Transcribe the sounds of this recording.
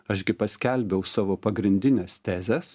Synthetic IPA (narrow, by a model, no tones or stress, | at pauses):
ɐʃɡʲɪpɐsʲkʲɛlʲbʲɛʊsɑːʋoːpɐɡɾʲɪnʲd̪ʲɪnʲɛːst̪ʲæːzʲɛs